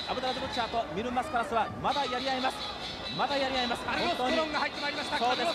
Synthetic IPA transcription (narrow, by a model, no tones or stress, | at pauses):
abɯ̟d̪aɾad̪ɯbɯksaːt̪o̞mʲiɾɯ̟masɨ̥pɯ̟ɾasɨβamad̪ajaɾʲiaimasɨ̥ | mad̪ajaɾʲiaimasɨ̥õt̪ːo̞ːɲiõŋɡahait̪ːemaiɾimasasoːd̪e̞